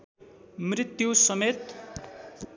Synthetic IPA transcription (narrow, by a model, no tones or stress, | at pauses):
mrit̪jusʌmet̪